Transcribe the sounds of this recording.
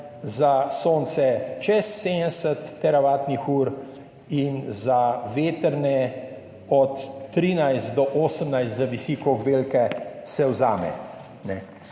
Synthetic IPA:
zasoːnt̪sɛt͡ʃɛsːesət̪ːɛɾaʋaːt̪nixuːɾ | inzaʋeːt̪əɾnɛ | ɔt̪ːɾinajst̪d̪ɔʔoːsəmnajst̪zaʋisiːkɔɡbeːlkɛsɛwzaːmɛ̰ | nɛ

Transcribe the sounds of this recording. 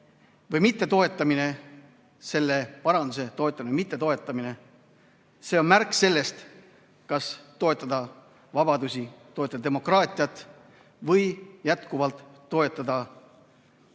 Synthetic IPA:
vɤjmit̪ːe̞t̪o̞e̞t̪ːˑɑmine̞ | se̞lːepɑɾɑnd̪use̞t̪o̞e̞t̪ˑːɑminemit̪ːˑe̞t̪o̞e̞t̪ːˑɑmine̞ | se̞ːo̞nmærkse̞lːe̞st̪ | kɑst̪o̞e̞t̪ːˑɑd̪ɑ | vɑbɑd̪usʲit̪o̞t̪ːɑd̪ɑd̪emo̞krɑːt̪ʲˑiɑt̪ːˑ | vɤjjæt̪kuvɑlt̪ːo̞e̞t̪ːˑɑd̪ɑ

